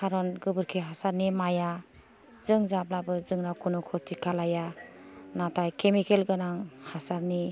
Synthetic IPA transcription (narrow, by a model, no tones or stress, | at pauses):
kʰaɾɔnɡɯbɯɾkʰiɦasaɾnimaja | zɯŋzab̚labɯzɯŋnakʰunɔkʰɔtikʰalaja | natʰajkʰemikelɡɯnaŋhasaɾni